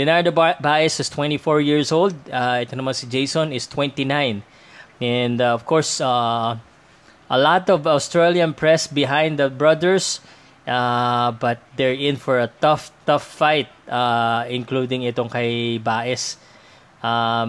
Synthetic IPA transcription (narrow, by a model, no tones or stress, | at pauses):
d̥̪ɪnaɹd̪ɐbaʔɪsɪst̪wɛ̃nt̪ifɔɹjiɹsold̪̚aʔɛt̪onɐmãnsɪd͡ʒejsɔ̃nɪst̪wɛ̃nt̪inãjn | ʔɛnd̪ɔv̥kɔɹsa | ʔɐlat̪ɔvawst̪ɹɛliɐ̃npɹɛsbɪɦãjnd̪ɐbɹʌd̪ɛɹs | ʔabɐt̪̚d̪ɛɹɪ̃nfɔɹɐt̪ʌft̪ʌfːajt̪̚aɪ̃nklud̪ɪ̃ŋɪt̪oŋkɐjbaʔɪs | ʔa